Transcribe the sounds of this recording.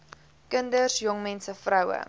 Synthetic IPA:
kəndərsjɔŋmɛnsəfrɐwə̰

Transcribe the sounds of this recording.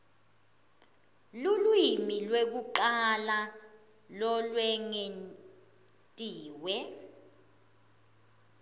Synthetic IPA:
lulwimilwek̬uǃala | lɔlwɛŋen | tʼiːwɛ

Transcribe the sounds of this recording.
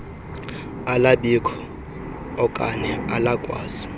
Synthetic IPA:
alaɓikʰɔ̥ | ɔkʼa̰nɛalakʼwaːzi

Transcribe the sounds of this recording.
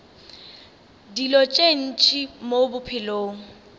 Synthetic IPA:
dilɔt͡ʃʼen̩t͡ʃʼimobʊpʰɪloːŋ̩

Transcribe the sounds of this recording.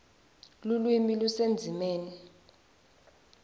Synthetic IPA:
lulwimilusend͡zʱimɛːnɛ

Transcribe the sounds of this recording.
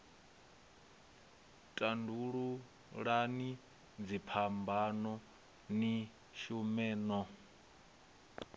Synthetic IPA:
tʼanduɺu | ɺani | d͡zipʰambanɔ | ni | ʃumɛːnɔ

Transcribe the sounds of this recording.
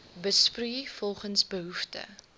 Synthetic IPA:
bəspryfɔlˠχənsbəɦuftə̰

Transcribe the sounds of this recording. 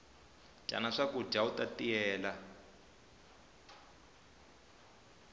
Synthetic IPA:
t͡ʃʼa̰naʂaku̥d͡ʒautʼatiɛːla

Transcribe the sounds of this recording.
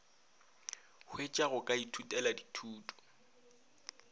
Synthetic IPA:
hʰwet͡ʃʼaɣʊkʼaitʰutʼɛladitʰuːtʼɔ̥

